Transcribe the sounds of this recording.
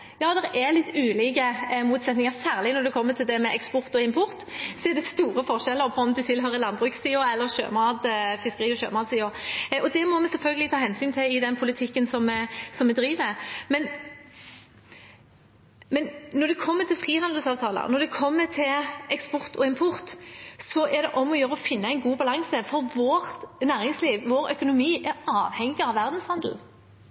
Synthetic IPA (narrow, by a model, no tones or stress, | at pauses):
jɑːd̪ɛʁɛlɪt̪ːʉːliːkəmuːt̪sɛt̪nɪŋɑʁsæːʁlɪnɔɾd̪ɛkʰɔmːət̪ʰɪld̪ɛmɛʔɛkspʊʁt̪ɔɪmpʰʊʁt̪sɔɛd̪ɛst̪uːɾəfɔʁʂɛlːəʁpʰɔɔmd̪ʉsɪlɦœɾəlɑnbʁʉkssiːʊɾɛlːəʁʃø̰ːmɑːd̪fɪskəʁiːɔʃø̰ːmɑːd̪siːʊʔɔd̪ɛmɔmɛsɛlfœlɡəlɪt̪ɑːhɛnsyːnt̪ʰɪɪd̪ɛnpʰʊlɪt̪ʰɪkːənsɔmsɔmːɛd̪ɾiːʋəmɛmɛn | mɛnnɔd̪ɛkʰɔmːət̪ɪlfʁiːhɑnd̪l̩sɑːʋt̪ʰɑːlə̰nɔd̪ɛkʰɔmːət̪ʰɪlɛkspɔʁt̪ʰɔɪmpʰʊʁt̪sɔʔæʁd̪ɛʔɔmːɔjøːɾəɔfɪnːəæɪnɡuːbɑlɑŋsəfɔɾʋoːʁnæːʁɪŋsliːʋʋoːɾœkʊnʊmiːʔæɾɑːʋhɛŋɪɑʋːæʁd̪n̩shɑnd̪l̩